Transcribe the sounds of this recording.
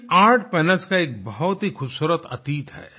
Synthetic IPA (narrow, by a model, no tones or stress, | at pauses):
aːɾʈʰpɛːnəlskaeːk̚bɐɦʊt̪ɦixʊbsuːɾət̪ɐ̰t̪iːt̪ɦɛ̰ː